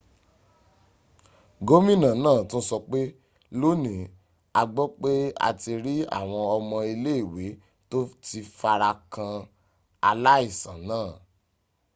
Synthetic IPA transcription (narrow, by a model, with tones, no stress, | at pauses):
ɡo˦mĩ˦˨nã˨nãː˦˨tũ˦sɔ˧k͡pe˦ | lo˦nĩ˨ | a˧ɡ͡bɔ˦k͡pe˦a̰˧ti˧ɾi˦a̰˦˨w̃ɔ̃˧ɔ˧mɔ̃˧i˧le˦i˦˨we˨˦ | to˦ti˧fa˧ɾa˧kã˧ | a˧la˦i˦˨sã˨nãː˦˨